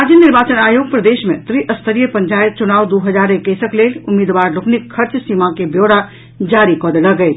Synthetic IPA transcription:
ad͡ʒənniɾbaːt͡ʃənaːjoːɡpɾəd̪eʃmḛ̃t̪ɾiʔəst̪ʰəɾijəpəɲt͡ʃaːjt̪̚t͡ʃunaːʋd̪uɦəd͡ʒaːɾekːəjsəkleːlʊmːiːd̪ʋaːɾlʊknikʰːəɾt͡ʃsiːmãkebjoɽa | d͡ʒaːɾikɔd̪ləɡət͡ʃʰ

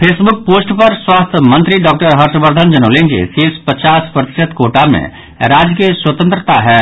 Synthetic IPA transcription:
pʰeːsbʊk̚poːsʈpɐɾswaːst̪ʰəmə̃nt̪ɾiɖɔːk̚ʈəɾɦɐɾʃəbəɾd̪ʱənd͡ʒɐnoːlẽːnd͡ʒḛsifspɐt͡ʃaːspɾɐt̪ɪ̥ʃət̪koːʈamḛ̃ | ɾaːd͡ʒkiswət̪ə̃nt̪ɾət̪aɦɛː

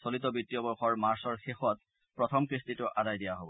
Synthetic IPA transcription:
solit̪̬ɔbitːijɔbɔɹxɔɹmaɹsɔɹxexɔt̚ | pɹɔt̪ʰɔmkɹistitʊʔadajdijaɦobɔ

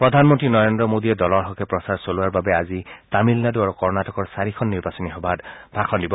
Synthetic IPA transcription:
pɹɔdʱanmɔntɹinɔɹendɹɔmodiɛdɔlɔɹɦɔkɛpɹɔsaɹsoluwaɹbabɛazitamilnaduaɹukɔɹnatɔkɔɹsaɹikʰɔnːiɹbasɔnixɔbʱadbʱaxʰɔndibɔ

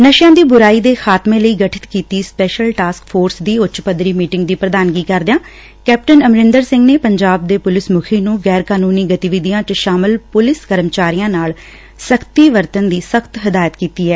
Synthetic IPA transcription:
nəʃjãːd̪iːbʊɾaːiːd̪eːxʰaːt̪mẽːləiːɡəʈʰɪ̥t̪kiːt̪iːspɛːʃəlʈaːskfʰoːɾsd̪iːʊt͡ʃpəd̪ɾiːmiːʈɪŋɡ̚d̪iːpɾəd̪aːnɡiːkəɾd̪ɪjãː | kɛːp̚ʈənəmɾɪnd̪əɾsɪ̃ŋɡneːpəɲd͡ʒaːb̚d̪eːpʊlɪsmʊkʰiːnũːɡɛːɾkaːnuːniːɡət̪iʋɪd̪ijãːt͡ʃəʃaːmɪlpʊlɪskəɾəmt͡ʃaːɾiːjãːnaːl | səkʰt̪iːʋəɾt̪ənd̪iːsəkʰt̪ɦɪd̪aːjət̪kiːt̪iːɛː

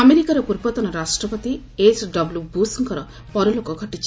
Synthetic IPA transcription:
ameɾikaɾɔpuɾbɔt̪ɔnɔɾasʈɾɔpɔt̪i | esɖɔblubusɔŋkɔɾɔ | pɔɾɔlokɔɡʱɔʈit͡ʃʰi

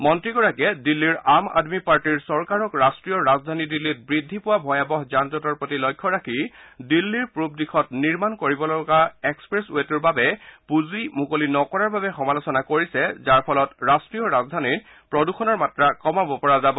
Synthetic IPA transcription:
mɔntɹiɡɔɹakɛdilːiɹama̰dmipaɹtiɹsɔɹkaɹɔkɹastɹijɔɹazdʱanidilːit̚bɹidʱːipʊwabʱɔjabɔxzantɔtɔɹpɹotilɔjkʰːɔɹakʰidilːiɹpɹubdixʰɔtniɹmankoɹibɔlɔɡaekspɹesuetuɹbabɛpuzimukolinɔkɔɹaɹbabɛxɔmalosɔnakoɹisɛzaɹpʰɔlɔtɹastɹijɔɹazdʱanit | pɹɔduxɔnɔɹmatɹakɔmabɔpɔɹazabɔ

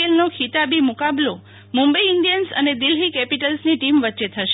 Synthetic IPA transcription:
elnokʰit̪abimukablo | mumbəiɪɳɖijənsə̰ned̪ɪlɦikɛpiʈəlsniʈimʋətːʃet̪ʰəʃe

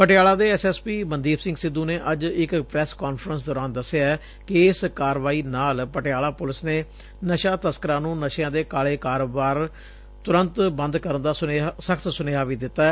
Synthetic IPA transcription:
pəʈɪjaːlaːd̪eːɛsɛːspiːmənd̪iːbsɪ̃ŋɡsɪd̪ːũːneːʔəd͡ʒɪkpɾɛːskaːnfɾənsd̪ɔːɾaːnd̪əsːejaːɛː | kɪːskaːɾʋaːiːnaːlpəʈeaːlaːpʊlɪsneː | nəʃaːt̪əskəɾãːnũːnəʃjãːd̪eːkaːleːkaːɾoːbaːɾ | t̪ʊɾənt̪bə̃nd̪kəɾənd̪aːsəkʰt̪sʊneːɦaːʋiːd̪ɪt̪ːaːɛː

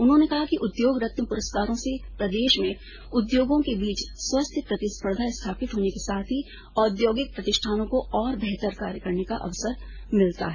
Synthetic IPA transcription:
ʊnɦõnekɐɦakiʔʊd̪joːɡɾɐt̪məpʊɾəst̪aːɾõsepɾɐd̪eːʃmẽ | ʊd̪joːɡõkebiːt͡ʃswɐst̪ʰəpɾɐt̪ispəɾd̪ʱast̪ʰaːpɪt̪ɦoːnekesaːt̪ʰɦi | ɔːd̪joːɡɪk̚pɾɐt̪ɪʃʈʰaːnõkoɔːɾbɛɦt̪əɾka̰ːɾjəkɐɾnekaʔɐ̰ʋsəɾmɪlt̪a̰ɦɛː

